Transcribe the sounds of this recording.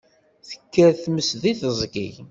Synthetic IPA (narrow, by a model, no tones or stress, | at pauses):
θə̥kːæɾθməsðiθəzˤɡḭʝ